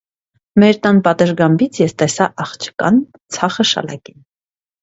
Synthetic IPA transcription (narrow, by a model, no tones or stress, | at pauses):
mɛɾt̪ɑnpɑt̪əɾɡɑmbit͡sʰjɛst̪ɛsɑʔɑχt͡ʃʰə̥kɑ̰n | t͡sʰɑχəʃɑ̰lɑ̰kin